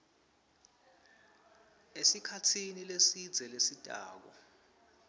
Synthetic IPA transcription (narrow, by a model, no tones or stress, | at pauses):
esikʰatʰinilesid̥d͡zʱɛlesitʼa̰ːk̬ɔ